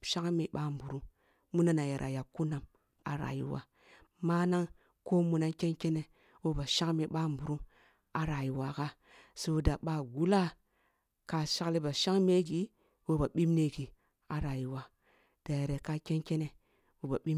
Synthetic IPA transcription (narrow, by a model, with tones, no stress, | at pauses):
ʃa˦ŋ˦mi˨ɓa˦m˨bu˨ɾu˦ | mu˦na˦na˨je˨ɾʔa̰˨ja˨ku˦na˨m | a̰˨ɾa̰˨jḭ˦wa̰˦ | ma˦na˦ŋ | ko˦mu˨˦na˦nke˦nke˦ne˨ | wo˦ba˨ʃa˦ŋ˦mi˨ɓa˦m˨bu˨ɾu˦m | a˨ɾa˨ji˨wa˨ka˦ | so˦wda˨ɓa˨ɡu˦la˦ | ka˨ʃa˦kli˦ba˨ʃa˦ŋme˦ɡi˨ | wo˦ba˨ɓi˦mne˦˨ɡi˨ | a˨ɾa˨ji˨wa˨ | d̥a˨je˨ɾe˨ka˦ke˦nke˦ne˨ | wo˦ba˨ɓi˦